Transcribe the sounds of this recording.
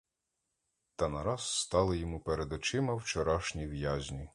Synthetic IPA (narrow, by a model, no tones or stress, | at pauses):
t̪ɐnɐɾɑz̥st̪ɑlˠɪjɔmupeɾed̪ɔt͡ʃɪmɐwt͡ʃɔɾɑʃnʲijʋjazʲnʲi